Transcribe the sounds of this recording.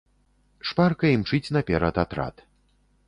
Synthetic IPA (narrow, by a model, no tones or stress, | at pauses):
ʂparkɐimt͡ʂɨt͡sʲnɐpʲɛɾɐt̪at̪ɾa̰t̪